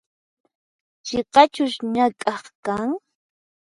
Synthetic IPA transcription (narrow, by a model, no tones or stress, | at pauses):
t͡ʃeqɑt͡ʃʊʃɲakʼɑχkaŋ